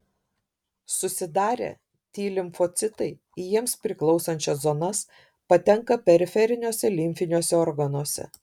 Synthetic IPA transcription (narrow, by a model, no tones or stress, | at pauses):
sʊsʲɪd̪ɑːɾʲḛː | t̪ʲiːlʲɪmfot̪sʲɪt̪ɐɪ | ijiɛmspʲɾʲɪklˠɒʊsɐnʲt͡ʃʲɛszoːnɐs | pɐt̪ʲɛŋkɐpʲɛɾʲɪfʲɛɾʲɪnʲoːsʲɛlʲɪmʲfʲɪnʲoːsʲɛɔɾɡɐnoɔsʲɛ̰